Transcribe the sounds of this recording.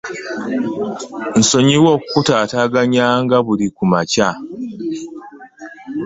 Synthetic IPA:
n̩soɲiwokkːutaːtaɡaɲaŋɡaβulikumaca

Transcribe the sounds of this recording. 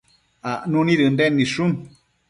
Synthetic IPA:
anũnĩɾɨnd̪enːiʂun

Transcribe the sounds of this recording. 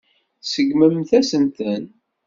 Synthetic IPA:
səɡməmθæsənt̪ən

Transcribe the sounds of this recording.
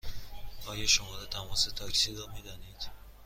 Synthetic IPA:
ɒːjɒʃomɒːɾɒt̪ʰæmɒːset̪ʰɒːkʰsiɾɒːmid̪æniːd̪̥

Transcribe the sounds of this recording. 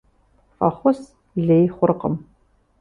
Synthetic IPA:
fɐχʷɔs | ɮeːjχʷʊrqəm

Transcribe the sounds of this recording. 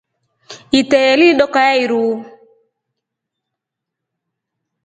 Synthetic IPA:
itɛɛliɗɔkajaiɾu

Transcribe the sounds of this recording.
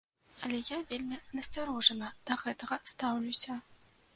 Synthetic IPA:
ɐlʲɛjavʲelʲmʲinɐsʲt͡sʲaɾɔʐɐnɐd̪̥ɐɣɛt̪ɐɣɐst̪awlʲusʲɐ

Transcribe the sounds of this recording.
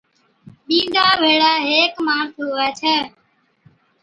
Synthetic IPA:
ɓĩːd̪aːbʱeːɽaːɦeːkmaːɳt̪ʰoːʋəːt͡ʃʰɛː

